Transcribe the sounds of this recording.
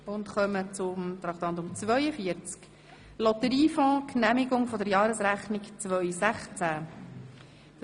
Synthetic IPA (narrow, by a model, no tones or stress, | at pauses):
ʊnt̪χœmət͡sʊmt̪ɾɑχt̪ɑnt̪ʊmt͡svœʏəfiəɾt͡sk | lɔt̪əɾiːfɔ̃ːkʰnæmiɡʊŋfɔdəɾjɑːɾəsɾæχnikt͡svœʏsæχt͡sæ